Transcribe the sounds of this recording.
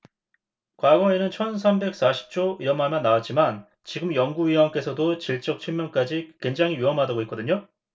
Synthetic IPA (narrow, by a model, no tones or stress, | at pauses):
kwaɡwʌenɯnt͡ɕʰʌns̬ʰambe̞k̚s͈aɕʰi̥p̚t͡ɕ͈oʔiɾʌmɦamjʌnːawat̚t͡ɕ͈iman | t͡ɕiɡɯmjʌŋɡuɥiwaŋk͈e̞sʰʌdot͡ɕiɭt͡ɕ͈ʌk̚t͡ɕʰimjʌnk͈ad͡ʑikweŋd͡ʑaŋɦiɥiʌmɦadaɡoɦitk͈ʌdɯɲo